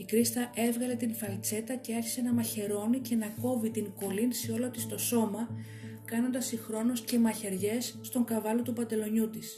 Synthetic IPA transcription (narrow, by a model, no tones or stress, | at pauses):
ikɾist̪ɐʔe̞vɣɐle̞t̪infɐlt͡se̞t̪ɐce̞ɐçi̥se̞nɐmɐçe̞ɾo̞nice̞nɐko̞vit̪iŋko̞linsio̞lo̞t̪ist̪o̞so̞mɐ | kɐno̞nd̪ɐsixɾo̞nusce̞mɐçe̞ɾʝe̞sːt̪o̞ŋkɐvɐlot̪upɐnd̪e̞lo̞ɲut̪is